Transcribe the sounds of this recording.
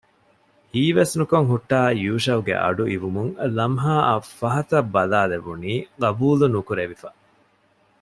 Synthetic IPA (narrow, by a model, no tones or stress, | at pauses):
hiːʋesnukoŋɦuʈːaːjuːʃɐuɡḛʔɐ̰ɖuʔiʋumuŋlɐmɦaːʔɐfɐɦɐt̪ɐbːɐlaːleʋuniːɡɐbuːlunukuɾeʋifɐ